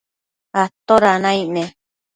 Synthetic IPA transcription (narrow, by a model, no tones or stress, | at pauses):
at̪oɾanãĩʔnẽ